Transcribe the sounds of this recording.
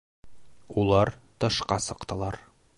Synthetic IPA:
ulˠɑɾt̪ɤ̆ʃqɑsɤ̆qt̪ɤ̆lˠɑɾ

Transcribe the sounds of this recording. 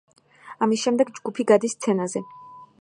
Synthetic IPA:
amisʃɛmd̪ɛɡd͡ʒɡupʰiɡad̪ist̪sʰɛnazɛ

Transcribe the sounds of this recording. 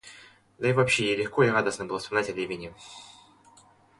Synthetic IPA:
d̪ɐivɐpɕːejelʲɪxkoiɾad̪əsnəbɨlˠəspɐmznatʲɐlʲevʲɪnʲɪ

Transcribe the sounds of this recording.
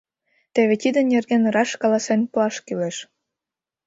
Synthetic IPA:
t̪eβet̪id̪ənːerɣenrɑʃkɑlɑsenpuɑʃkyleʃ

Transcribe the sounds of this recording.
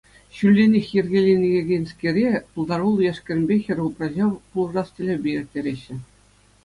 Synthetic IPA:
ɕylʲːenʲexʲjɘ̆rʲɡʲelʲenʲĕɡʲeɡʲenʲskʲerʲepulˠd̪ɑɾulˠjæʂkʲɘ̆rʲmʲbʲexʲɘ̆rʲuprɑʑɑpulˠɤ̆rɑstʲɘ̆lʲebʲejɾʲɘ̆k̚ʲtʲeɾʲeɕːɘ̆

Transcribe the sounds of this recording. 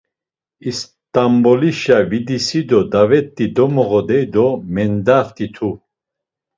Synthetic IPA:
is | t̪ʼambɔliʃavid̪isid̪ɔd̪avɛt̪ʼːid̪ɔmɔʁɔd̪ɛjd̪ɔmɛnd̪aχt̪ʰʼit̪ʰu

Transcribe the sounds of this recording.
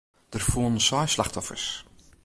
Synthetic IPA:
d̥ərfuːnn̩sɔjslaxtɔfə̰rs

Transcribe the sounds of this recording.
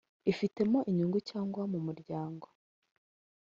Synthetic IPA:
ifite̞mo̞ʔiɲuŋɡucaːŋɡwamumuɾɟaːŋɡo

